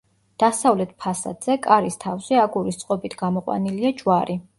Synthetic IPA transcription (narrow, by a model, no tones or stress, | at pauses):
d̪̥asavlɛt̪̚ʰpʰasa̰d̪̥z̥ɛkʼaɾist̪ʰafzɛaɡuɾist̪sʼqʼɔbit̪ʰɡamɔqʼwa̰niliad͡ʒwaɾi